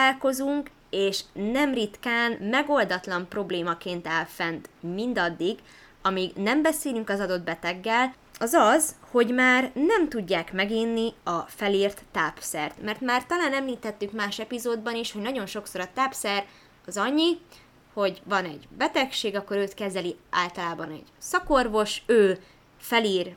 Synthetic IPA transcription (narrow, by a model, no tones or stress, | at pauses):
aːlko̞zuŋk | eːʃnɛmrit̪kaːnmɛɡo̞ld̪ɒt̪lɒmpro̞bleːmɒkeːnt̪ɛlfɛnt̪mind̪ɒd̪ːiɡ | ɒmiɡnɛmbɛseːlyŋkɒzɒd̪o̞d̪bɛt̪ɛɡːɛl | ɒzɒzho̞ɟmaːrnɛmt̪uɟːaːkmɛɡinːiɒfɛliːrt̪ːaːpsɛrt̪mɛrt̪maːrt̪ɒlaːnɛmliːt̪ɛt̪ːykmaːʃɛpizoːd̪bɒniʃhoɟnɒɟo̞nʃokso̞ɾɒt̪aːpsɛr | ɒzɒɲːi | ho̞ɟvɒnɛɟbɛt̪ɛkʃeːɡɒkːo̞ɾøːt̪kɛzɛlia̰ːlt̪ɒlaːbɒnɛ̰ɟsɒkorvo̞ʃøː | fɛliːr